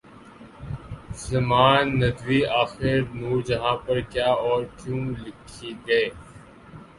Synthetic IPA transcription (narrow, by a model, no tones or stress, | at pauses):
zɐmaːnːɐd̪ʋiaːxɪɾnuːɾd͡ʒɐɦãːpɐɾkjaːɔːɾkjũːlɪkʰiɡɐeː